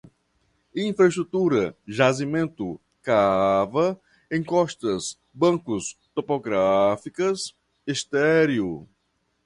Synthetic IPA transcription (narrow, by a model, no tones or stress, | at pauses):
ĩfɾɐeʃt̪ɾut̪uɾɐʒazimẽnt̪ʊ | kavɐ | ẽj̃kɔʃt̪ɐs | bɐ̃kʊst̪opoɡɾafikɐs | est̪ɛɾjʊ